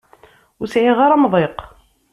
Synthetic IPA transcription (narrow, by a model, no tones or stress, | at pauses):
ʊɾsʕiʁaɾamðˤeq